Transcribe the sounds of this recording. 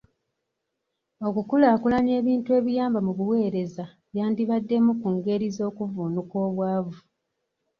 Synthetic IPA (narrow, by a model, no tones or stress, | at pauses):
o̞kukulaːkulaɲe̞ːβiːntue̞ːβijaːmbamuβuwe̞ːɾe̞za | βjaːndiβadːe̞mukuŋɡe̞ɾizo̞ːkuvuːnuko̞ːβwaːvu